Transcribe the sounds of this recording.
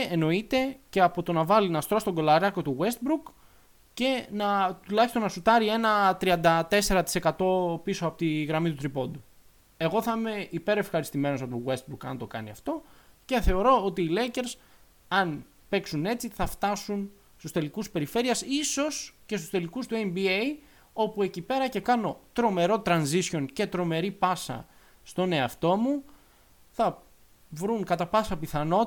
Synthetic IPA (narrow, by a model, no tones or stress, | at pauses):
eno̞it̪e̞ceɐpo̞t̪o̞nɐvɐlinɐst̪ɾo̞st̪o̞ŋɡo̞lɐɾɐko̞t̪uɣwe̞st̪̚bɾuk | ce̞nɐt̪ulɐçist̪o̞nɐsut̪ɐɾie̞nɐt̪ɾiɐnd̪ɐt̪e̞se̞ɾɐt̪i̥se̞kɐt̪o̞pisoɐpot̪iɣɾɐmit̪ut̪ɾipo̞nd̪u | e̞ɣo̞θɐime̞ʔipe̞ɾe̞fxɐɾist̪ime̞nosɐpouwe̞st̪bɾukɐnt̪o̞kɐniɐft̪o̞ce̞θe̞o̞ɾo̞ot̪iːlece̞ɾs | ɐn | pe̞ksune̞t͡siθɐft̪ɐsun | st̪ust̪e̞likuspe̞ɾife̞ɾiɐsiso̞sce̞st̪u̥st̪e̞likust̪uembiej | o̞pue̞cipe̞ɾɐce̞kɐno̞t̪ɾo̞me̞ɾo̞t̪ɾɐnzisço̞nce̞t̪ɾo̞me̞ɾipɐsɐ̰ | st̪o̞ne̞ɐft̪o̞mu | θɐ | vɾuŋkɐt̪ɐpɐsɐpiθɐno̞